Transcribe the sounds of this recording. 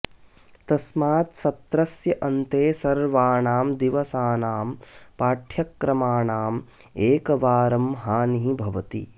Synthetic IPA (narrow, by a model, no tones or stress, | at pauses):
t̪ɐsmaːt̪sɐt̪ɾɐsjɐʔɐnt̪eːsɐɾʋaːɳaːmd̪iʋɐsaːnaːmpaːʈʰjɐkːɾɐmaːɳaːm | eːkɐʋaːɾɐmɦaːniɦibʱɐʋɐt̪ḭ